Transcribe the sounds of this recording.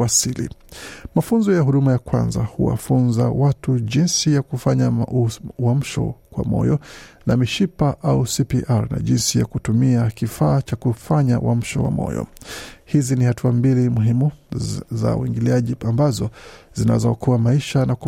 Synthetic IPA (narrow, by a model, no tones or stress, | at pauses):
asilḭmafunzɔjaɦuɗumajakwa̰nzahṵwa̰funza̰watuʄinsijakufaɲa | wam̩ʃɔ̰kwa̰mɔ̰jɔnamiʃipaʔausipiʔaɾna̰ʄinsijakutumiakifaːt͡ʃakufaɲa̰wʔa̰m̩ʃɔ̰wa̰mɔ̰jɔ̰hizinihatuambilimuɦimuza̰ṵwḭŋɡiliaʄiambazɔzina̰zɔkɔwamaiʃanak